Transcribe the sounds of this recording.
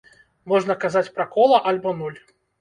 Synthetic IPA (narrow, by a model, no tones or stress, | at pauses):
mɔʐnɐkazat͡sʲpɾɐkɔlˠɐʔalʲbɔnulʲ